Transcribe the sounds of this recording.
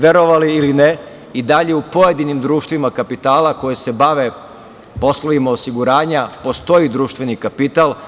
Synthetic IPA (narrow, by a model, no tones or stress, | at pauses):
ʋe̞ɾo̞ʋaliiline | id̪aʎe̞upo̞je̞d̪inimd̪ɾuːʃt̪ʋimakapit̪aːlako̞jese̞baʋe | po̞sloʋimao̞siɡuɾaːɲapo̞st̪o̞jid̪ɾuːʃt̪ʋe̞nikapit̪alˠ